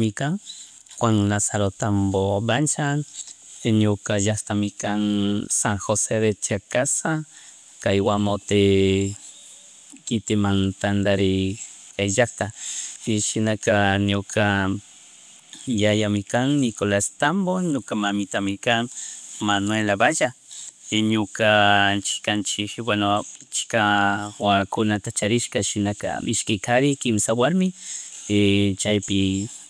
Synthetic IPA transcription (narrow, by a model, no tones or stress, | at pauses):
mikan | kʷaŋnasaɾot̪ambobant͡ʃanenjokajast̪amikansaŋxoseðet͡ʃakasa | kaiwamot̪e | kit̪imant̪and̪aɾiajakt̪akiʃinakanjokʰa | jajamɪkaŋnɪkolast̪amboɲokamamɪt̪amɪkaŋmanwelabaʒa | ɲokat͡ʃɪ̥kant͡ʃɪkwant͡ʃkawakʊnat̪at͡ʃaɾɪʃkaʃɪnaka̰mɪʃkɪkaɾɪkɪmsawaɾmɪ | t͡ʃajpɪ